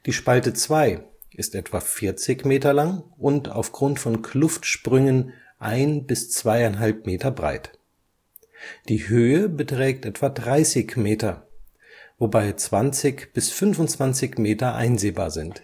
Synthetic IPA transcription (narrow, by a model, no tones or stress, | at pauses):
d̥iːʃpaltət͡sv̥aɪ | ʔɪstʔɛtv̥afɪɐt͡sɪçmeːtɐlaŋʔʊnta̰ʊfɡ̥ʁʊntfɔnkʰlʊftʃpʁ̥ʏŋən | ʔaɪnbɪst͡sv̥aɪaɪnɦalp̚meːtɐbʁa̰ɪt | d̥iːhøːəbətʁ̥ɛːk̚tʔɛtv̥adʁaɪsɪçmeːtɐ | vobaɪt͡sv̥ant͡sɪçb̥ɪsfʏnvʊntt͡sv̥ant͡sɪçmeːtɐʔa̰ɪnzeːba̰ːɐzɪnt